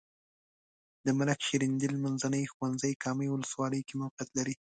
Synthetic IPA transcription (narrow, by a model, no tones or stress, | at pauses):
d̪̥əmalakʃeɾind̪ilmanzanəjxuwanzəjkɑməjwʊləswɑləjkemʊfjat̪laɾi